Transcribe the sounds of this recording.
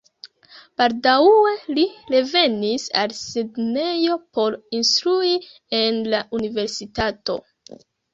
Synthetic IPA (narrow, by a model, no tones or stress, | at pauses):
b̥aldawe̞liɾe̞ve̞nisa̰lsedne̞jo̞po̞ɾinstɾui | e̞nlaʔunive̞ɾsitato̞̰